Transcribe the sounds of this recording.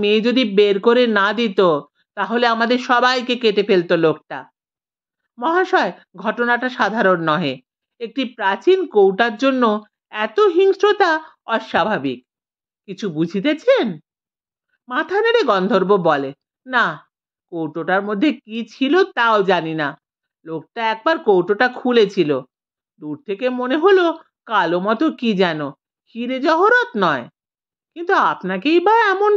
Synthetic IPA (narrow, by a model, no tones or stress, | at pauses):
med͡ʑod̪ibeɾkoɾenad̪it̪o | t̪aɦoleamad̪eɾʃɔbajkekeʈefelt̪olok̚ʈa̰ | mɔɦaʃɔe | ɡʱɔʈonaʈaʃad̪ʱaɾonːɔɦe | ek̚ʈipɾat͡ɕinkowʈaɾd͡ʑonːo | ɛt̪oɦiŋʃɾot̪a | ɔʃabʱabik̚ | kit͡ɕʰubud͡ʑʱit̪et͡ɕʰen | mat̪ʰaneɾeɡɔnd̪ʱoɾbobɔle | na | kowʈoʈaɾmod̪ʱːekit͡ɕʰilot̪aod͡ʑanina | lok̚ʈaɛk̚baɾkowʈoʈakʰulet͡ɕʰilo | d̪uɾt̪ʰekemoneɦolo | kalomɔt̪okid͡ʑɛno | kʰiɾed͡ʑɔɦoɾot̪nɔe | kint̪uapnakejbaɛmon